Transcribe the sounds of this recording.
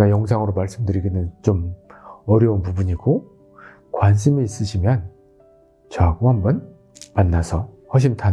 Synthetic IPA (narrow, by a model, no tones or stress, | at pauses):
ajʌŋsʰaŋɯɾomaɭs͈ɯmdɯɾiɡinɯnt͡ɕomʌɾjʌunpubuɲiɡo | kwanɕʰimiːs͈ɯɕʰimjʌn | t͡ɕʌaɡohambʌn | manːasʰʌ | hʌɕ̬ʰimtʰan